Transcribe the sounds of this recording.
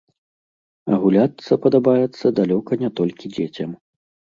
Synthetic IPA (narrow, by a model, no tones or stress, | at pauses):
ɐ̰ɣulʲat̪sːɐpɐd̪abajɛt̪sːɐd̪alʲɔkɐnʲɛt̪ɔlʲkʲid͡zʲet͡sʲɐm